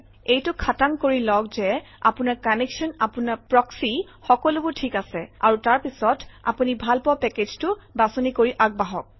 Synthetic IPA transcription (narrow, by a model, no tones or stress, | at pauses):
ejtʊkʰataŋkoɹilɔkzɛ | a̰punaɹkaneksɔnapunaɹpɹɔksi | xɔkɔlʊbʊtʰikasɛa̰ɹutaɹpisɔta̰punibʱalpɔpɛkeztʊbasɔnikoɹiʔaɡ̚baɦɔk̚